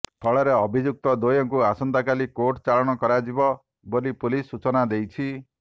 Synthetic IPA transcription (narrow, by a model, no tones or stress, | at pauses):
t̪ʰɔɭɔɾeɔbʱid͡ʒuk̚t̪ɔd̪ojɔŋkuasɔnt̪akalikoʈt͡ʃaɭɔɽ̃ɔkɔɾad͡ʒibɔ | bolipulisːut͡ʃɔnad̪ejt͡ʃʰi